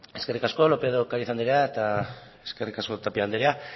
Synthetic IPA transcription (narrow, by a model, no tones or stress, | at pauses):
e̞skerikaskolo̞peðokaɾiθand̪eɾeaet̪a | eskerikasko̞t̪apiand̪eɾea